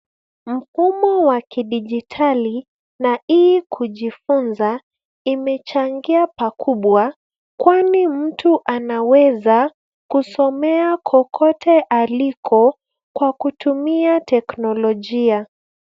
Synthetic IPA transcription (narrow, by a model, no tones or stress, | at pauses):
m̩fumɔwakiɗiʄitʰali | naʔikʰuʄifunza | imɛt͡ʃaŋɡiapakʰuɓwa | kwanim̩tuʔanawɛza | kusɔmɛakʰɔkʰɔtʰɛʔalikʰɔ | kwakutʰumiatɛknɔlɔʄia